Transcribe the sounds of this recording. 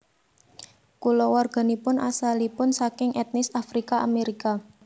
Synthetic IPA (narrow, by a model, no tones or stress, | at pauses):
kulɔwɔrɡ̥a̤nipʊnasalipʊnsakɪŋɛt̪̚nɪsafɾikaʔameɾika